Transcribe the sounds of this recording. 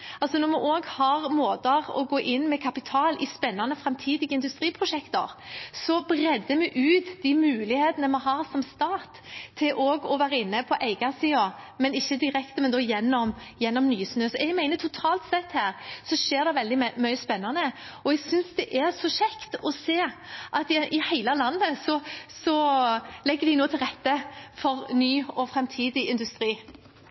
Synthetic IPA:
ɑlsɔnɔɾmɛʔoːɡhɑɾmoːd̪əɾɔ̰ɡoːʔɪnːmɛkʰɑpɪt̪ʰɑːlɪspɛnːɑnəfɾɑmt̪ʰiːd̪ɪɡəɪnd̪ʉst̪ɾiːpʰɾʊʃɛkt̪ə̰ɾsɔbɾɛd̪əmɛʔʉːt̪d̪iːmʉːlɪheːt̪ənəmɛɦɑɾsɔmst̪ɑːt̪ʰːɪlʔoːɡɔʋæːɾəɪnːəpʰɔʔæɪɡɑsiːomɛnɪçːəd̪ɪɾɛkt̪əmɛnd̪ɔːjɛnːɔmjɛnːɔmnyːsnøːsɔʔɛɡmæɪnət̪ʰʊt̪ʰɑːlt̪sɛt̪ːhæːɾsɔʃeːʁd̪ɛʋɛld̪ɪmœʏəspɛnːɑnəɔɛɡsʏnsd̪ɛʔæɾsɔʃɛkt̪ɔseːʔɑt̪ʔɪhæɪləlɑnːəsɔsɔlɛɡːəd̪ɪnoːt̪ʰɪlʁɛt̪ːəfɔʁnyːɔfɾɛmt̪ʰiːd̪ɪɪnd̪ʉst̪ɾiː

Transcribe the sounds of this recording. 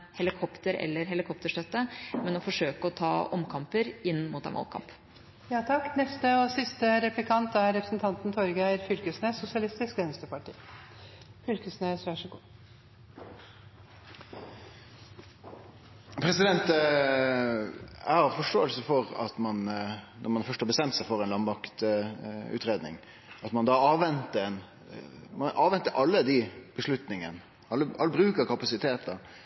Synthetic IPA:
hɛlɪkʰɔpt̪əɾɛ̰lːəɾɦɛlɪkʰɔpt̪əʂt̪œt̪ːəmɛnɔfɔʂøːkəɔt̪ʰɑːʔɔmkʰɑmpəɾɪnːmuːt̪ɛ̰nʋɑ̰lkʰɑ̰mp | jɑːt̪ʰɑkːnɛst̪əɔsɪst̪əɾɛplɪkʰɑnt̪æɾɾɛpɾəsn̩t̪ʰɑnt̪nt̪ʰɔɾɡæɪɾfʏlkəsneːsːʊsɪɑlɪst̪ɪskʋɛnst̪əpɑʈʰḭː | fʏlkəsnesʋæʂəɡṵː | pʰɾɛsɪd̪ɛnt̪ | ɑɑʁfɔʂʈo̰ːəlsəfɔʁɑ̰t̪mɑnnɔɾmɑnfœʂthɑːbəst̪ɛmt̪sæɪfɔʁɛnlɑnbɑkt̪ | ʉ̰ːt̪ɾeːd̪nɪ̰ŋ | ɑt̪mɑnd̪ɑɑːʋɛnt̪əɛn | mɑnʔɑːʋɛnt̪əʔɑlːəd̪ib̥əʂɭʉt̪nɪŋə̰n | ɑlːəʔɑlːəbɾʉːkəɾkɑpɑsɪt̪ʰeːt̪d̪ɑ

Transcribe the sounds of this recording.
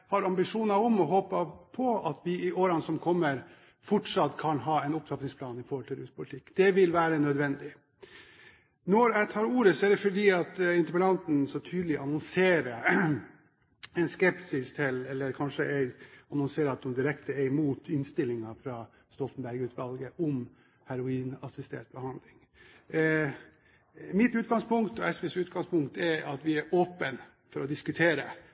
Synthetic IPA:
hɑɾɑmbɪʂuːnɑɔmɔɦoːpəpʰɔɑt̪ʋɪɪʔoːɾɑnsɔmkʰɔmːəɾ | fɔʈʂɑt̪ːkʰɑnɦɑːɛɪnʊpt̪ʰɑpnɪŋspʰlɑːnɪfɔɾhɔlt̪ʰɪlɾʉːspʰʊlɪt̪ʰɪkːd̪̥ɛʋɪlʋæːɾənœd̪ʋɛnd̪ɪ | nɔɾæt̪ʰɑːɾuːɾəsɔæɖɛfɔɖiːɑt̪ɪnt̪əpəlɑnt̪n̩sɔt̪ʰyːd̪lɪʔɑnɔnseːɾə | ɛɪnskɛpsɪst̪ʰɪlɛlːəɾkʰɑnʂəʔæɪɑnɔnseːɾəɑt̪̚d̪ʊmd̪ɪɾɛkt̪əɛɾmuːt̪ɪnst̪ɪlːɪŋɑfɾɑː | st̪ɔfn̩bæɾɡʉːt̪ʋɑlɡəʔɔm | hæɾʊiːnɑsɪst̪ɛ̰ʈ̪̚bəhɑnd̪lɪŋ | mɪt̪ʉːt̪ɡɑŋspʊŋkt̪ɔɛsʋɛsʉːt̪ɡɑŋspʊŋk̚t̪ɛɾɑt̪ʋɪæɾʔoːpən | fɔɾɔd̪ɪskʉt̪ʰeːɾə

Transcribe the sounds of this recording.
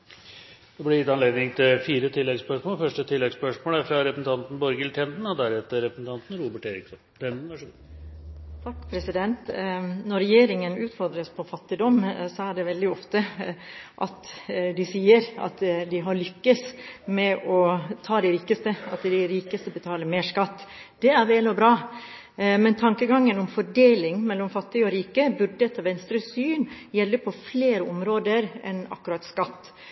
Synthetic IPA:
d̪ɛblɪɾjɪt̪ːɑnleːd̪nɪŋt̪ʰɪlfiːɾət̪ʰɪlːɛɡspœʂmoːlfœʂʈət̪ʰɪlːɛɡspœʂmoːləæɾfɾɑɾɛpɾsn̩t̪ʰɑnt̪n̩bɔɾɡəlt̪ʰɛnd̪n̩ɔd̪æɾɛt̪ːəɾɛpɾəsn̩ɑnt̪n̩ɾuːbəʈeːɾɪksɔnʰɛn̩æʂ | t̪ʰɑkːpʰɾɛsɪd̪ɛnt̪nɔɾɛjeːɾɪŋənʉːt̪fɔɾd̪ɾəspʰɔfɑt̪ːɪd̪ɔmsɔæɖɛʋɛld̪ɪɔft̪ə | ʔɑ̰t̪d̪ɪsiːəɾɑ̰t̪d̪ɪɦɑɾɭʏkːəsmɛʔɔt̪ʰɑːd̪ɛɾiːkəst̪əɑt̪d̪ɪɾiːkəst̪əbət̪ʰɑːləmeːʂkɑt̪ːd̪̥ɛæɾʋeːlɔbɾɑː | mɛnt̪ʰɑŋkəɡɑŋːənɔmfɔɖeːlɪŋmɛlːɔmfɑt̪ːɪɡəɔɾiːkəbʉɖɛt̪ʰɑːʋɛnst̪ɾəsyːnjɛlːəpʰɔfleːɾəɔmɾoːd̪əɾɛ̰nɑ̰kːʉɾɑt̪skɑt̪ː

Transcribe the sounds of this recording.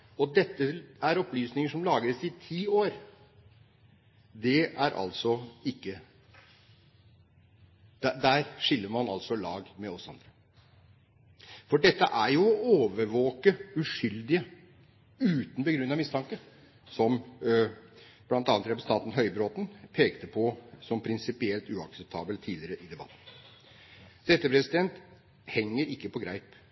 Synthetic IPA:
ɔd̪ɛt̪ːəæɾɔplyːsnɪŋəʂɔmlɑːɡəɾəsɪt̪ʰiːoːɾ | d̪ɛæɾʔɑ̰lsɔɪkːə | d̪̥æd̪æːɾʂɪlːəɾmɑnɑ̰lsɔlɑ̰ːɡmɛɔsɑ̰nd̪ɾə | fɔɖɛt̪ːəʔæɾjʊɔʔoːʋəɾʋoːkəʉʂʏld̪ɪə | ʉːt̪n̩bəɡɾʉnːɑʋmɪst̪ɑŋkə | sɔm | b̥lɑnt̪ɑːnət̪ɾɛpɾsɑːt̪n̩ɦœʏbɾoːt̪n̩pʰeːkt̪əpʰɔsɔmpʰɾɪnsɪpɪɛlt̪ʉɑksɛp̚t̪ʰɑ̰ːbəlt̪ʰiːlɪɾəʔɪd̪ɛbɑ̰t̪n̩ | d̪̥ɛt̪ːəpʰɾɛsɪd̪ɛnt̪ | hɛŋːəɾɪkːəpʰɔɡɾæɪp

